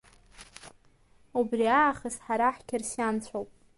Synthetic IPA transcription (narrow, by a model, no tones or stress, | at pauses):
ubriaːχəsħaɾaħkʲʰɪrsjant͡ɕʷʰowpʼ